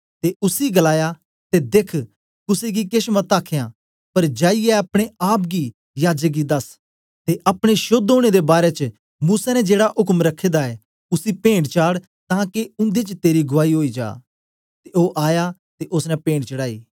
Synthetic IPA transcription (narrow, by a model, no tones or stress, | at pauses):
t̪eʊsiɡɐlaːja | t̪ed̪eːkʰ | kʊseɡikeʃmɐt̪aːkʰejã | pɐɾd͡ʒaːijɛɐpɽ̃eaːp̬ɡi | jaːd͡ʒək̚ɡid̪ɐs | t̪eʔɐpɽ̃eʃʊd̪ɦoːɽ̃ed̪ebaːɾet͡ʃə | muːsanɛd͡ʒeːɽaʔɦʊkəmɾɐkʰːeːd̪aɛ | ʊsipẽːɳɖt͡ʃaːɽ | t̪ãːkeʊ̃nd̪et͡ʃt̪eːɾiɡʊʋaːiɦoːid͡ʒa̰ː | t̪eoːʔaːjat̪eʔʊsnɛpẽːɳɖt͡ʃɐɽaːḭː